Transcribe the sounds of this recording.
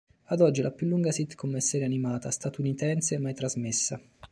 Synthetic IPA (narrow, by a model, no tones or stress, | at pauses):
ad̪ɔd͡ʒːilʔapjulːuŋɡasit̪kʰomːesːɛːɾeanimaːt̪ast̪at̪unit̪ɛnseɛmːajt̪ɾazmesːa